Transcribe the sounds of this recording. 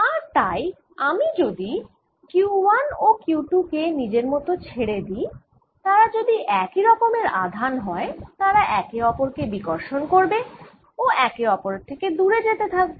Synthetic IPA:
aɾt̪aj | amid͡ʑod̪i | kuwanokuʈukenid͡ʑeɾmɔt̪ot͡ɕʰeɽed̪i | t̪aɾad͡ʑod̪iʔɛkiɾɔkomeɾa̰d̪ʱanɦɔet̪aɾaʔɛkeɔpoɾkebikoɾʃonkoɾbe | oɛkeɔpoɾeɾt̪ʰeked̪uɾed͡ʑet̪et̪ʰak̚bo

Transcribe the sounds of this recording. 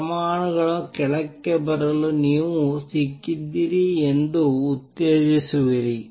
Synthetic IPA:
ɐmaːɳɯɣɐɭõkɛɭɐkːɐpːɐɾɐlɯniːʋũsikːid̪iɾiɛnd̪uːt̪ːeːd͡ʒisɯʋiɾi

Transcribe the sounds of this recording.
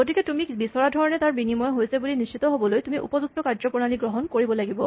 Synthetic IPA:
ɡotikɛtumibisɔɹadʱɔɹɔnɛtaɹbinimɔjɦojsɛbulinist͡ʃit̪ɔɦobɔlojtumiʔṵpɔzuk̚tɔkaɹzɔpɔɹnaliɡɹɔɦɔnkoɹibɔlaɡibɔ

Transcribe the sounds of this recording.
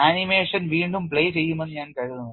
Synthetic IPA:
aːnimeːʂɐnʋiːɳɖumpɭeːt͡ɕe̞jːumenːɨɲaːnkɐɻinu

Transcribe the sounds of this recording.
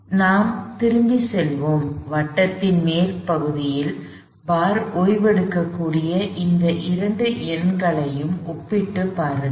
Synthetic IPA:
naːmt̪ɪɾɯmbisɛlʋoːmʋɐʈːɐt̪ːɪnmeːlpɐɣɯðɪjɪl | baːɾoːjʋɐɽɯkːɐkːuːɽɪjɐʔɪnd̪ɐʔɪɾɐɳɖɯʔɪɾɳɡɐɭɐjɯmɔpːɪʈːɯpːaːɾɯ

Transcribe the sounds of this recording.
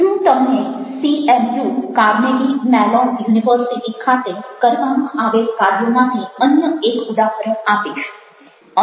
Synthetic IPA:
tũt̪əmnesiemjukaɾnelimɛlɔnjuniʋəɾsiʈikʰat̪ekəɾʋamãʔaʋelkaɾjomãt̪ʰiənjəekʊd̪aɦəɾəɳapiʃ | ə

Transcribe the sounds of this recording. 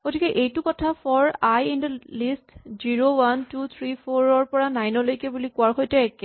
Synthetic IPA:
ɡ̥otikɛʔejtʊkɔtʰapʰɔɹajindəlistziɹowantut̪ʰɹipʰoɹɔɹpɔɹanajnɔlojkɛbulikuwaɹxojtɛɛkɛ

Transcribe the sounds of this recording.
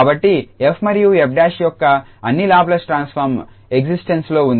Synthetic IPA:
abɐʈːiepʰmɐɾjuːepʰɖaːʃjɔkːɐ | ɐnːilaːblɐsʈɾaːnspʰɐɾm | eɡsisʈenslo̞ːund̪i

